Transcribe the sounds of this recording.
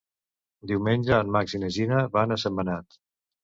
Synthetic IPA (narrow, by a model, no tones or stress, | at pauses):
d̪iwmenʲʒəːnmaksiməʒinəβanəsəmənat̪